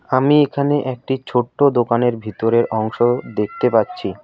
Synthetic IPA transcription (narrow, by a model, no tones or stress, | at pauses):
amiekʰaneʔɛk̚ʈit͡ɕʰoʈːod̪okaneɾbʱit̪oɾeɾʔɔŋʃod̪ek̚ʰt̪epatːɕʰi